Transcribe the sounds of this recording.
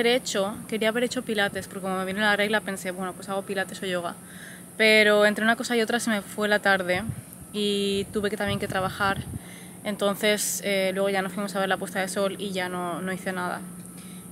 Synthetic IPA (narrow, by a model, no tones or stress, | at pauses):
eɾe̞t͡ʃo̞ke̞ɾiaːβe̞ɾe̞t͡ʃo̞pilat̪e̞spo̞ɾkekomome̞βinelare̞ɣlape̞nse̞βwe̞no̞pwe̞saɣ̞o̞pilat̪e̞so̞ʝo̞ɣ̞a | pe̞ɾo̞ent̪ɾe̞unako̞saio̞t̪ɾase̞me̞fwelat̪aɾð̞e̞ | it̪uβe̞keamje̞ŋke̞t̪ɾaβaxaɾ | e̞nt̪o̞nθe̞selwe̞ɣ̞o̞ʝano̞sfwimo̞saβeɾlapwe̞st̪aðe̞so̞liʝano̞no̞iθe̞naða̰